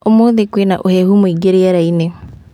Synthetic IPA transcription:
omoːðekwenaʔohɛhumoiɡeɾeaɾaine

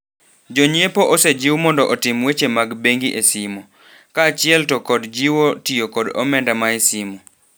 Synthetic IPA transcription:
d͡ʒoɲepoʔɔsed͡ʒɪwmɔndɔʔɔtɪmwet͡ʃemaɡbeŋɡiʔesimo | kat͡ʃɪɛltɔkɔdd͡ʒiwotijokɔdɔ̰mɛndamaesimo

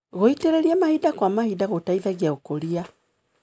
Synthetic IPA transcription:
ɣoiteɾeliamahidakwamahidaɣotaiðaɡjaɣokolia

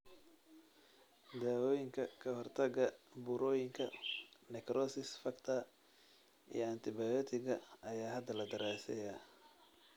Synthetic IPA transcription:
d̪aːwɔːjɪŋkʰɐkʰɐhɔrt̪ʰɐɡɐbʊɾɔːjɪŋkʰɐnɛkʰɾɔsɪsfɐkt̪ʰɐ | ḭjɔɐnt̪ʰɪbajɔt̪ʰɪɣɐɐjaːɦɐd̪ɐlɐd̪ɐɾaːsɛ̰jɐ

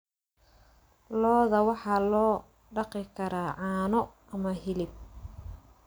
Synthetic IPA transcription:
lɔːðɐwɑħɑːlɔː | ɖɑqɪkʰɐɾaːʕɑːnɔ | ɐmɐɦɪlɪb̚

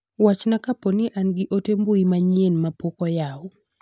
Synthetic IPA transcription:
wat͡ʃnakaponiʔanɡɪʔotembuimaɲienmapokɔjaɔ

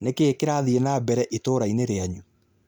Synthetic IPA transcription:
nekeːkeɾaðienabɛɾɛʔitoːɾaineɾeaɲu

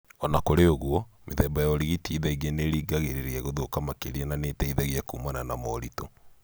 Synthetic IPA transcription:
ɔnakoɾeoɣwɔmeðɛːmbajaɔɾiɣitiðaiɣeneɾiːɡaɣeɾeɾiɛɣoðokamakeɾiɛnaneːtɛiðɛɣiɛkuːmananamɔɾitɔ

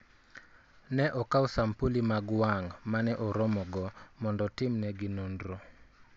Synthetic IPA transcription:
nɛʔɔkausampulimaɡwaŋmanɛʔɔɾɔmɔɡɔmɔndɔtɪmnɛɡɪnondɾo

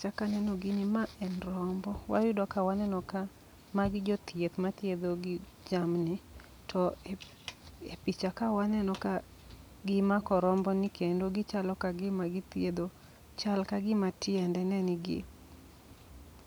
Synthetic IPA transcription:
t͡ʃakanɛnɔɡɪnɪmaʔɛnɾɔmbɔwa̰jʊdɔkawanɛnɔka | maɡɪd͡ʒɔt̪jet̪mat̪jed̪oɡɪ | d͡ʒamnɪ | tʰɔ | epit͡ʃakawanɛnɔka | ɡɪmakɔɾɔmbɔnɪkʰendoɡɪt͡ʃalɔkaɡɪmaɡɪt̪ed̪o | t͡ʃalkaɡɪmatɪɛndɛnɛnɪɡɪ̰

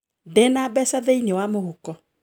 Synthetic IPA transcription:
dɛnabɛsaðɛinewamohokɔ

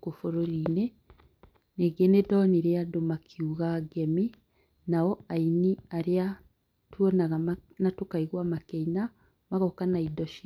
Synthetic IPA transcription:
kufoɾoɾiːne | neɡenedɔniɾeadomakʰiuɣaɡɛmi | nawɔainiaɾea | twonaɣanatokaiɣwamakɛina | maɣɔkanaidɔʃi

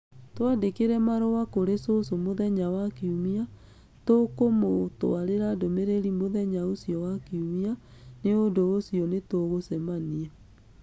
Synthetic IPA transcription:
twadekeɾɛmaɾɔwakoɾesosomoðɛɲawakiumia | tokomotoaɾeɾadomeɾeɾimoðɛɲaosijɔwakiumianeondoosijɔnetoɣosɛmaniɛ

